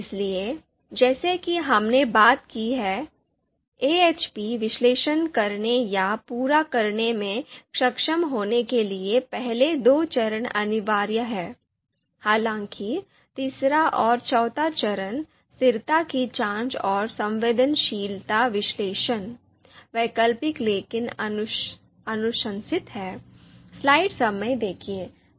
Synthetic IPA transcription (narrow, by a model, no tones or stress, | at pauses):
ɪslie | d͡ʒɛːsekiɦɐmnebaːt̪kiɦɛː | eːeːt͡ʃpiʋɪʃleːʃənkɐɾnejapuːɾakɐɾnemẽkʃɐkʃəmɦoːnekeliepɛɦled̪oːt͡ʃɐɾənɐ̰nɪʋaːɾjəɦɛː | haːlãːŋki | t̪iːsɾaʔɔːɾt͡ʃɔːt̪at͡ʃɐɾən | st̪ɪɾt̪akit͡ʃãːnt͡ʃɔːɾsɐ̃mʋeːd̪ənʃiːlt̪aʋɪʃleːʃən | ʋɛːkəlpɪkleːkɪn | ɐnʊʃə̃nsɪt̪ɦɛːslaːɪɖsɐməjd̪eːkʰieː